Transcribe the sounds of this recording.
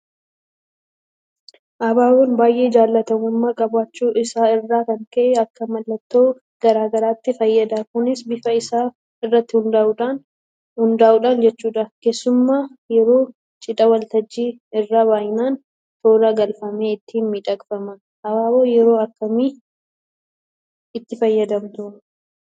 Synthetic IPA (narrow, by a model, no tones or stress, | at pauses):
ʔɐbaːwoːnbaːjʔe̞ːd͡ʒaːlːɐt̪ɐmʊmːaːkʼɐbaːt͡ʃːuːʔɪsaːɪrːaːkɐŋkɐʔeɐkːɐmɐlːɐt̪ːo̞ː | ɡ̥ɐɾaːɡɐɾaːt̪ːɪfɐjːɐd̪aːkʊnɪsbɪfɐɪsaː | ɪrːɐt̪ːɪhʊnd̪aʔuᶑaːn | hʊnd̪aːʔuːᶑaːnd͡ʒɛt͡ʃːuːᶑɐke̞ːsːʊmːaːjɛɾo̞ː | t͡ʃʼɪᶑɐwɐlt̪ɐd͡ʒːiːɪrːaːβaːjɪnaːn | t̪o̞ːɾɐɡɐlfɐme̞ːɪt̪ːiːnmiᶑɐkfɐmɐ | hɐwaːwoːjɛɾo̞ːɐkːɐmiː | ɪt̪ːɪfɐjːɐd̪ɐmt̪ʊ